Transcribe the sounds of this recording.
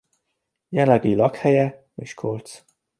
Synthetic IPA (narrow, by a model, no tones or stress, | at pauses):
jɛlɛɡilɒkhɛjɛ | eːʃkʰolt̪s